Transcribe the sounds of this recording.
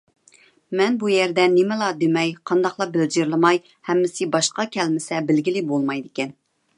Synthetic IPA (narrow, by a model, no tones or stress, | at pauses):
mɛnbujɛɾd̪ɛnɪmɪlˠɑd̪emɛjqʰɑnd̪ɑqlˠɑbɪld͡ʒiɾlˠɨmɑj | hɛmːɪsɪbɑʃqɑkʲʰɛlmɪsɛbɪlɡʲilɪbolˠmɑjd̪ɪkʲɛn